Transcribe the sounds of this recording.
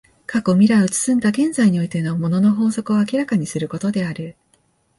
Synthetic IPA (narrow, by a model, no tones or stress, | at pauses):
kako̞mʲiɾaot͡sɨ̥sɨ̃nd̪aɡẽ̞nzaiɲ̟io̞it̪e̞nomo̞no̞no̞ɦo̞ːso̞kɯ̟o̞akʲiɾakaɲ̟isɨɾɯ̟ko̞t̪o̞d̪e̞aɾɯ̟